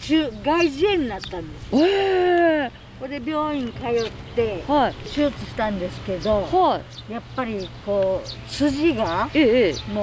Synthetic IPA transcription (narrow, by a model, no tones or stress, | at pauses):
t͡ɕɨːɡaiʑiẽɲ̟inat̪ːãnd̪e̞sɨ̥e | kod̪e̞bʲjo̞ːĩŋkajo̞t̪ːe̞haiɕɨːt͡sɨɕi̥t̪ãnd̪e̞sɨ̥ke̞d̪o̞hajapːaɾʲiko̞ː | sɨʑiɡaeːmo